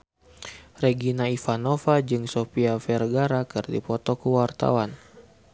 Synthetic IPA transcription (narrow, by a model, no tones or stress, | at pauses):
rɛɡinaifanofad͡ʒɨŋsopiafɛrɡaɾakɨrdipɔt̪ɔkuwart̪a̰wan